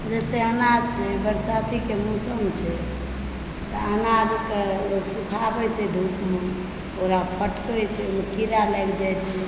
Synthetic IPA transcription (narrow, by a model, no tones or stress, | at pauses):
d͡ʒɛseənad̪̚t͡ʃʰɛbəɾsat̪ikemusəmt͡ʃʰɛ | t̪əənad̪k̪eloksukʰabɛt͡ʃʰɛd̪ʱukme | oɾapʰəʈkəjt͡ʃʰɛomekiɾalɛɡd͡ʒajt̪t͡ʃʰɛ